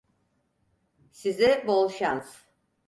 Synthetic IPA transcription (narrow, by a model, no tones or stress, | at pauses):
sizɪbolˠʃans